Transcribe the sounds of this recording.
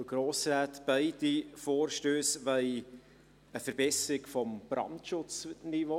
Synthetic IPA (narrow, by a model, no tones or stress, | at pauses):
ɡ̥ɾoːsɾaːtb̥aɪdifoːɾʃtøːsvɛɪ | əfəɾbɛsɾɪkfɔmb̥ɾɑ̰ntʃʊt͡snivo